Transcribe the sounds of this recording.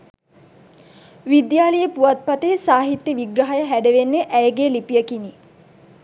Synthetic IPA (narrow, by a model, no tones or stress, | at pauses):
ʋid̪jaːləjəpuʋat̪̚pat̪eːsaːɦit̪jəʋiɡɾəɦəjəɦæɖəʋenːeʔæjəɡeːlipijəkini